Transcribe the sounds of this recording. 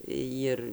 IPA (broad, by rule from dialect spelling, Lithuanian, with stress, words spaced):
ˈjɪr